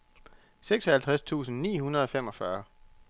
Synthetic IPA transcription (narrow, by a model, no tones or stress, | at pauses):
seɡ̥sɒhælt͡sʰʁast͡sʰṵːsn̩nḭːɦunɐðˠɒ̽fem̰ɒ̽fɶɐ